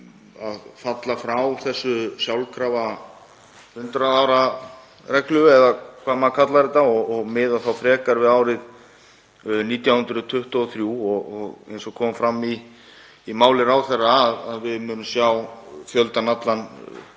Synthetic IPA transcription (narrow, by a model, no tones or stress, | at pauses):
aðfat̪lafɾawθɛsːʏsjawlkʰɾava | hʏnt̪ɾaðaːwɾa | ɾɛklʏɛðakʰvaːmakʰat̪laɾɪt̪aɔɣɔɣmɪðaθawfɾɛːkaɾvɪðaːwɾɪð | niːt̪jawhʏnt̪ɾʏt̪ʰʏht̪ʏɔθɾjuːɔɣɔɣḛjnsɔkʰɔːmfɾamːiː | maːwlɪɾawθɛrːaːðaðvɪðmʏːnʏmsjawfjœlt̪anat̪lan